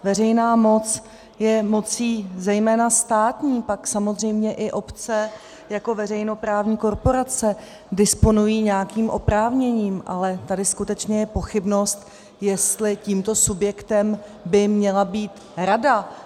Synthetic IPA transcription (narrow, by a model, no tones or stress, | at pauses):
vɛrɛjnaːmo̞t͡s | jɛmo̞t͡siːzɛjmɛːnast̪aːt̪ɲiːpaksamo̞zr̝ɛjmɲɛʔɪʔo̞pt͡sɛ | jako̞vɛrɛjno̞pɾaːvɲiːko̞ɾpo̞ɾat͡sɛ | dɪspo̞nujiːɲɛjakiːmʔo̞pɾaːvɲɛɲiːmʔa̰lɛt̪adɪskut̪ɛt͡ʃɲɛjɛpo̞xɪbno̞st̪ | jɛst̪lɪciːmt̪o̞subjɛkt̪ɛmbɪmɲɛlabiːt̪ | ɾada